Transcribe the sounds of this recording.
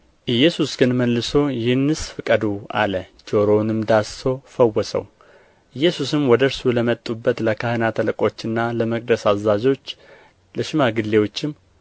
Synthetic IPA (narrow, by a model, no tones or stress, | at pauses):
ʔɨjːɛsusɡ̥ɨnməlːɨso̞jɪhɨnːɨsfɨkʼəd̪ua̰ləd͡ʒo̞ɾo̞nɨmd̪aso̞fəwːɔsʼə̰w | ʔɨjːɛsusɨmwɔd̪əɾsuləmət̪ʼːubːət̪ləkʰahənat̪ʰələkʼo̞t͡ʃːɨnːaləməkʼd̪əsazazo̞t͡ʃː | ləʃɪmaɡɨlːe̞wo̞t͡ʃːɪm